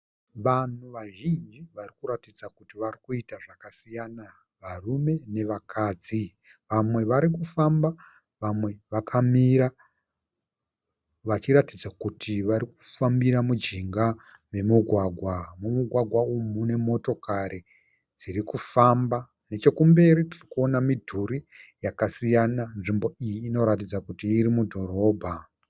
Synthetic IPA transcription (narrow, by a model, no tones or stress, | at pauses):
ʋan̤uʋaʒind͡ʒiʋarikuɾatid͡zakutiʋarikuitaʐakasijana | ʋarume̞ne̞ʋakʰaːd͡zi | ʋamwe̞ʋaɾikufamba | ʋamwe̞ʋakʰamiɾa | ʋat͡ʃiɾatid͡zakutʰiʋaɾiku̥fambiɾamud͡ʒiŋɡa | me̞muɡʱwaɡʱwamumuɡʱwaɡʱwaumune̞mo̞to̞kaɾe | d͡ziɾikufamba | ne̞t͡ʃe̞kumbe̞ɾitirikuo̞namidʱuri | jakasijananʐimbo̞ijiːno̞ɾatid͡zakutiːɾimudʱo̞ɾo̞ːbʱa